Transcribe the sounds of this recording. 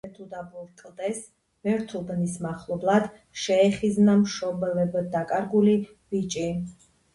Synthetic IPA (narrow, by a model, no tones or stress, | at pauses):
ɛt̪ʰud̪abuɾkʼlˠd̪ɛs | mɛɾt̪ʰubnismaχlˠɔblˠad̪ | ʃɛːχiznamʃɔbvɛbd̪akʼaɾɡuli | bit͡ʃʼi